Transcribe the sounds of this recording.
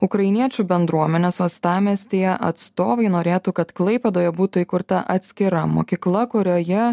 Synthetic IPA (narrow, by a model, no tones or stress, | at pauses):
ʊkɾɐɪnʲiɛt͡ʃʲubʲɛnd̪ɾuɔmʲɛnʲeːsʋɐst̪ɑːmʲeːsʲt̪ʲijɛʔɐt̪st̪oːʋɐɪnoːɾʲeːt̪ukɐt̪klˠɐɪpʲɛd̪oːjɛbuːt̪ʊiːkʊɾt̪ɐʔɐt̪ʲsʲkʲɪɾɐmo̰ːkʲiːklˠɐkʊɾʲoːjɛ